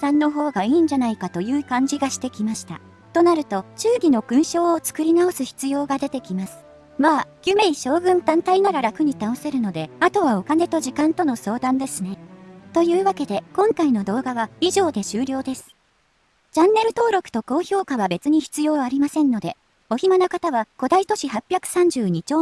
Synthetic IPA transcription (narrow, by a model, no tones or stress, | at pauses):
sãnːo̞ɦo̞ːɡaiːɲ̟d͡ʑanaikat̪o̞jɯ̟ːkãɲ̟d͡ʑiɡaɕi̥t̪e̞kʲimaɕi̥t̪a̰ | t̪o̞naɾɯ̟t̪o̞t͡ɕɨːɡʲino̞ɡ̥ɯ̟̃ɰ̃ɕo̞ːot͡sɨ̥kɯ̟ɾʲinao̞sɨçi̥t͡sɨjo̞ːɡad̪e̞t̪e̞kʲimasɨ̥ | maːɡʲɯme̞iɕo̞ːɡɯ̟̃nt̪ãnt̪ainaɾaɾakɯ̟ɲ̟it̪aose̞ɾɯ̟no̞d̪e̞at̪o̞β̞ao̞kane̞t̪o̞ʑikãnt̪o̞no̞so̞ːd̪ãnd̪e̞sɨne̞t̪o̞jɯ̟ːβake̞d̪e̞kõ̞ŋkaino̞d̪o̞ːɡaβaiʑo̞ːd̪e̞ɕɨːɾʲo̞ːd̪e̞sɨ̥ | t͡ɕãnːe̞ɾɯ̟t̪o̞ːɾo̞kɯ̟̥t̪o̞ko̞ːço̞ːkaβabe̞t͡sɨɲ̟içi̥t͡sɨjo̞ːaɾʲimasẽ̞nːo̞d̪e̞ | o̞çimanokat̪aβako̞d̪ait̪o̞ɕihapʲjakɯ̟̥sãɲ̟d͡ʑɨːɲ̟it͡ɕoː